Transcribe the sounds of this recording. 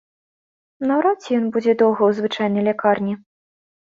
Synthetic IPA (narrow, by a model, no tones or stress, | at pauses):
nɐwɾat͡sʲɛjɔnbud͡zʲɛd̪ɔwɣɐwzvɨt͡ʂajnɐjlʲakarnʲi